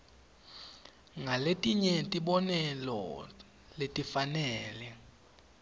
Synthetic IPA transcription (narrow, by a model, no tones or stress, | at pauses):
ŋʱaletʼiɲɛtʼiɓɔnɛlɔ̰ | letʼifanɛːlɛ